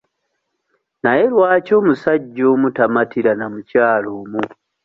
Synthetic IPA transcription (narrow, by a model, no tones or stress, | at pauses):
naje̞lwaːco̞ːmusaɟːoːmutamatiɾanamucaːloːmu